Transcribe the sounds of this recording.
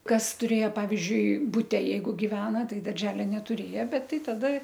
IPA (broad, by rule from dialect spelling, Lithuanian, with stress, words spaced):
ˈkɐs tʊˈrʲeːjoː ˈpɑːʋʲɪzʲd͡ʒʲʊɪ bʊˈtʲɛ ˈjɛɪɡʊ ɡʲɪˈʋʲæːnɐ ˈtɐɪ dɐrʲˈʒʲæːlʲɛ nʲɛtʊˈrʲeːjɛ ˈbʲɛt ˈtɐɪ tɐˈdɐ